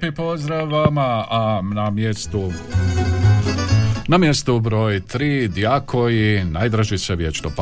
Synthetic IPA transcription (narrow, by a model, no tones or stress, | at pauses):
pipozd̪ɾaʋamaanamjest̪u | namjest̪ubɾo̞ːjt̪ɾiːd̪jakʰoinaːjd̪ɾaʒiseʋjet͡ʃno̰p